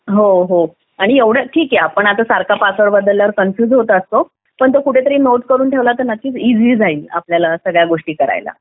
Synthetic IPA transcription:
ɦoɦo | aɽ̃ieʋɽ̤əʈʰiːkjeapəɳat̪əːsaɾkʰapasʋəɾbəd̪ːəlːaɾkənfjuːd͡zɦot̪əəst̪o | pəɳt̪̬okuʈʰet̪əɾiːnot̪kəɾuːnt̪ʰeʋlat̪ənət̪iːt͡sid͡ziːd͡zʱaiːla̰pljalasəɡɭjaɡoʂʈiːkəɾa̰jla̰

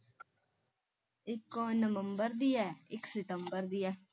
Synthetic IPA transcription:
ɪkːõnəʋəmbəɾd̪ijɛɪksɪt̪əmbəɾd̪ijɛ

